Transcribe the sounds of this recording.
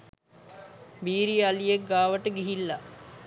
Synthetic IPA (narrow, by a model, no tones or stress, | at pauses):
biːɾialijek̚ɡaːʋəʈəɡiɦilːa